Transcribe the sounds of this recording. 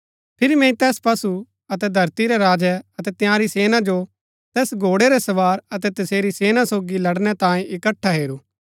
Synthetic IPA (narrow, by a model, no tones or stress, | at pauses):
pʰɪɾimɛ̃ĩt̪ɛːspɐsu | ɐt̪ɛd̪ʱɐɾt̪iɾɛɾaːd͡ʒɛɐt̪ɛt̪jãːɾiseːnad͡ʒo | t̪ɛːsɡʱoːɽɛɾɛsɐʋaːɾɐt̪ɛt̪ɐseːɾiseːnasoːɡilɐɽnɛt̪ãːẽʔɪkəʈʰːaɦeːɾuː